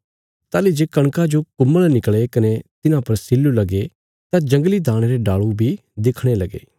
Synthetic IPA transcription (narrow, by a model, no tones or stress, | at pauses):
t̪aːlid͡ʒeːkɐɽ̃kad͡ʒokʊmːəlnɪkɭekɐnet̪ɪnãpɐɾsɪlːulɐɡe | t̪ãd͡ʒɐ̃ŋɡlid̪aːɽ̃eɾeɖaːɭubʱi | d̪eːkʰɽ̃elɐɡḛː